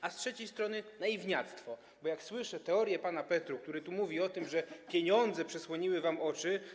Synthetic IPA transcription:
astʂɛt͡ɕejst̪ɾɔnɘnaivɲat̪st̪fɔ | bɔjakswɘʂɛt̪ɛɔɾjɛpanapɛt̪ɾuk̚t̪uɾɛt̪umuvʲiɔt̪ɘmʐɛpʲjeɲɔnd̪zɛpʂɛswɔɲiwɘvamɔt͡ʂɘ

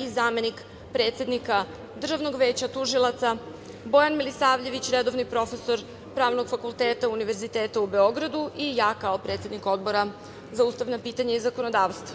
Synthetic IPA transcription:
izaːme̞nik | pɾet̪sje̞d̪nika | d̪rʒaʋno̞ɡʋeːt͡ɕat̪uʒilˠat̪sa | bo̞janmilisaːʋʎe̞ʋit͡ɕɾed̪o̞ʋnipɾo̞fe̞so̞ɾ | pɾaːʋno̞ɡ̥fakulˠt̪e̞ːt̪auniʋe̞ɾzit̪e̞ːt̪aube̞o̞ɡɾad̪uʔijaːkao̞pɾe̞ːt̪sje̞d̪niko̞d̪̚bo̞ɾa | zauːst̪aʋnapiːt̪aɲaizako̞nod̪aːʋst̪va

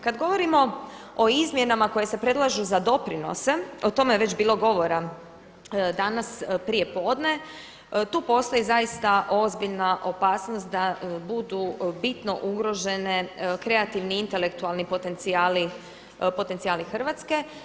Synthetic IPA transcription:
kad̪ɡo̞ʋo̞ɾimo̞ | o̞izmje̞namako̞je̞se̞pɾe̞d̪lˠaʒuzad̪o̞pɾino̞̰se̞ot̪o̞meʋet͡ɕbiːlo̞ɡo̞ʋo̞ɾa | d̪anaspɾije̞po̞ːd̪ne̞ | t̪uːpo̞st̪ojizajist̪aʔo̞zbiʎnaʔo̞paːsnost̪̚d̪abud̪ubit̪no̞ʔuɡɾo̞ʒe̞nekɾe̞at̪iʋniint̪e̞le̞kt̪ualˠnipot̪e̞nt̪siaːli | po̞t̪ent̪sijaːlixr̩ʋat̪ske̞

